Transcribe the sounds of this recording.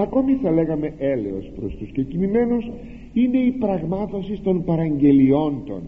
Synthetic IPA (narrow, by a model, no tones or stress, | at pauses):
ɐko̞miθɐle̞ɣɐme̞ʔele̞̰o̞spɾo̞̰st̪uscocinime̞nus | ine̞ipɾɐɣmɐθo̞sist̪o̞npɐɾɐɲɟe̞lio̞nd̪o̞̰n